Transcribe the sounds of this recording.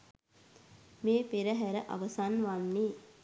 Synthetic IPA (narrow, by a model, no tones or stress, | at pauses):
meːpeɾəɦæɾəʔa̰ʋəsanʋanːe